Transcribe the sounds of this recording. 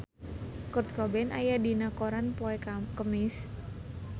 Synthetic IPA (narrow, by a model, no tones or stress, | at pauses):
kʊrt̪̚kɔbɛnajadinakoɾanpɔɛkəmɪs